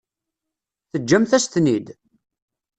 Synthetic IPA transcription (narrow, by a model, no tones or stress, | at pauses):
θəd͡ʒːæmθæst̪nid̪